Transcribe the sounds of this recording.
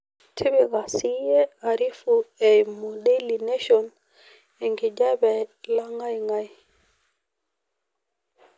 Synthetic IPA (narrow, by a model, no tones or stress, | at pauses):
tʰebiɣasijɛaɾifuɛmodelineʃɔn | ɛŋɡid͡ʒabɛlaŋajŋaj